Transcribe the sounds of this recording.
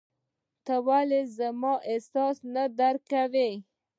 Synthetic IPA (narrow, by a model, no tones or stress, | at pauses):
t̪awalezamɑʔesɑsnad̪aɾkawe